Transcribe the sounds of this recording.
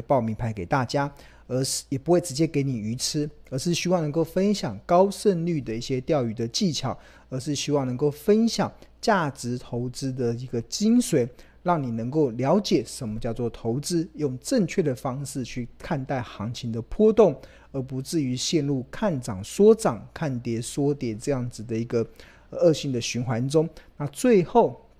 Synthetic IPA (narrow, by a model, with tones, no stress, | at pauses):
pɑ˥˩ʊmi˧˥ŋpʰa˧˥ɪke˨˩ɪt̪a˥˩t͡ɕja˥ | ə˧˥˩jɛ˨˩pu˧˥xwe˥˩t͡sɻ̩˧˥t͡ɕjɛ˥ke˧˥ɪni˨˩y˧˥t͡s̩ʰ˥ə˞˧˥ʂɻ̩˥˩ɕy˥wɑ˥˩ŋnə˧ŋko˥˩ʊfə˦˥nɕjɑ˨˩ŋkɑ˥ʊʂə˥˧nly˥˩d̪ə˩i˥˩ɕjɛ˥t̪jɑ˥˧ʊy˨˩d̪ə˨t͡ɕi˥˩t͡ɕʰjɑ˨˦ʊ | ə˧˥ʂɻ̩˥˩ɕy˥wɑ˥˩ŋnə˧˥ŋko˥˩ʊfə˦nɕjɑ˨˩ŋt͡ɕja˥˩ʈ͡ʂɻ̩˧˦t̪ʰo˧˥ʊt͡sɹ̩˥d̪ə˨i˧˥ɡə˧t͡ɕi˥ŋswe˧˥ɪ | ɻɑ˥˩ŋni˨˩nə˧˥ŋko˥˩ʊljɑ˧˥ʊt͡ɕjɛ˨˩ʂə˧˦˥nmə˧˦t͡ɕjɑ˥˧ʊt͡swɔ˥˨˩t̪ʰo˧˥ʊt͡sɹ̩˦jʊ˥˩ŋʈ͡ʂə˥˧ŋt͡ɕʰɥɛ˥˩d̪ə˩fɑ˥ŋʂɻ̩˥˧t͡ɕʰy˥˩kʰa˥˧nt̪a˥˩ɪxɑ˧˥ŋt͡ɕʰi˧˥ŋd̪ə˨pʰwɔ˥t̪ʊ˥˩ŋ | ə˞˧˥pu˧˥t͡sɻ̩˥˩y˧˥˦ɕjɛ˥˧nlu˥˩kʰa˥˩nʈ͡ʂɑ˨˩ŋswɔ˥t͡sɑ˨˩ŋkʰa˥˩nt̪jɛ˧˥swɔ˥t̪jɛ˨˩ʈ͡ʂɤ˥˧jɑ˥˩ŋd͡zɹ̩˨˩d̪ə˩i˧˥ɡə˧ | ə˧ɤ˥˧ɕi˥˩ŋd̪ə˨ɕy˧˥nxwa˧˦˥nt͡sʊ˥ŋna˥˧t͡swe˥˧ɪxo˥˩ʊ